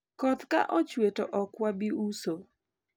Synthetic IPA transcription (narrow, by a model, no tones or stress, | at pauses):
kɔt̪ka̰ʔɔt͡ʃwetoʔɔkwabiuso